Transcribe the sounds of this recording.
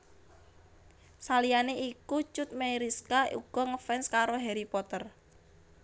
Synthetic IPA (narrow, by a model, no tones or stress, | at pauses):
salijaneʔikut͡ʃʊt̪̚mejɾiskaṵɡ̥ɔŋəfɛnskaɾoɦeɾipɔt̪ər